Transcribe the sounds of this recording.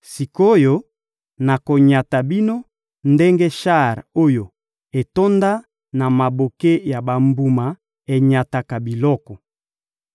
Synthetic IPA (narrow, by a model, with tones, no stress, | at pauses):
si˨ko˦jo˦ | na˨ko˨ɲa˨ta˨bi˦no˦ | nde˦ŋɡe˦ʃa˦˨ʁo˦jo˨ | e˨to˦nda˦ | na˨ma˨bo˨ke˦ja˨ba˨mbu˨ma˨ | e˨ɲa˨ta˨ka˨bi˨lɔ˦kɔ˨